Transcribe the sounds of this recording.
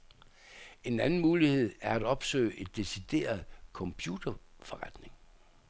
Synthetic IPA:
e̝nænn̩muːlihe̝ð̞̰ˠæɐæd̥ɒ̽b̥sø̰ːɪʔe̝d̥ːe̝sid̥e̝̰ːɐð̩ˠkʰɒ̽mpʰjud̥ɐfɒ̽ʁad̥ne̝ŋ

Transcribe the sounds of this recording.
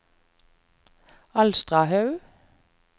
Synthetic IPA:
ɑlst̪ʁɑhœʉ

